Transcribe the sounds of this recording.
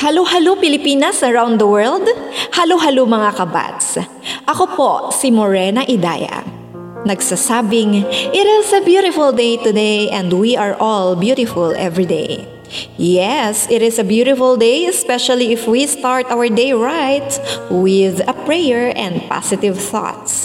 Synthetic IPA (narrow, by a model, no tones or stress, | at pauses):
hɐlohɐlopɪlɪpinɐsɐɹawnd̪d̪ɐwɛɹld̪hɐloɦɐlumɐŋakɐba̰t̪s | ʔɐkopoʔsimoɹɛnɐʔɪd̪a̰ːja̰ | nɐɡsasaːbɪŋʔɪɾɪsɐbjuɾɪfʊlˠd̪ejt̪ʊd̪ejʔɛ̃nd̪wiʔaɹʔɔlbjuɾɪfʊlʔɛ̰vɹid̪ḛj | jɛsɪɾɪsɐbjuɾɪfʊlˠd̪ejɛspɛʃɐliɪfwist̪aɹt̪ʔawə˞d̪ejɹajt̪wɪðɐpɹɛjɛɹʔɛ̃nd̪̚pa̰sɪt̪ɪvθɔ̰t̪s